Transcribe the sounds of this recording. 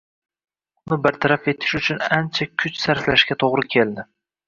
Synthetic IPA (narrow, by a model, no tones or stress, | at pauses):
ʊnɪbɪɾt̪ʰaɾafe̞t̪ʰɪ̥ʃʊt͡ʃʰʊnant͡ʃʰakʲʰʊt͡ʃsaɾflaʃkʲat̪ʰoʁɾɪkʲʰe̞ld̪ɪ